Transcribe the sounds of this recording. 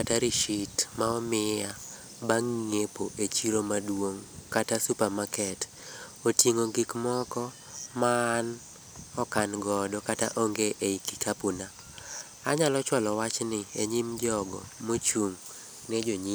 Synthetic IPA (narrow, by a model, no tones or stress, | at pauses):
kataɾiʃitmaɔmɪa | baŋːepoʔet͡ʃiɾomadwoŋkatasupamakɛt | otiŋoɡikmɔkɔ | maːn | ɔkanɡɔdɔkata̰ʔoŋɡeʔeikikʰapuna | aɲalɔt͡ʃwalɔwat͡ʃnɪeɲimd͡ʒɔɡɔ̰mot͡ʃuŋ | ned͡ʒoɲi